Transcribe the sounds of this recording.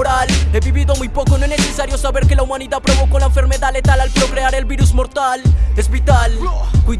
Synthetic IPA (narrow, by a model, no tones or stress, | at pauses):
ɾalɛβiβiðʊamũjpowkʊnõɛnesesaɾjosaβeɾkɪlɐumãniðapɾoβowkonɐẽfeɾmeðaðlet̪alalpɾokɾeaɾɛlβiɾuzmoɾt̪ald̪espit̪alkuj